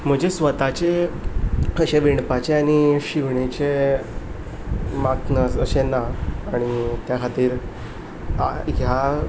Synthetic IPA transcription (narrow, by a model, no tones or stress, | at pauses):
m̤əd͡ʑesʋət̪at͡ɕe | əɕeʋiɳpat͡ɕeaɽ̃iɕiʋɳet͡ɕe | maknəsəɕenaːɽ̃it̪jakʰat̪iːɾ | aɦja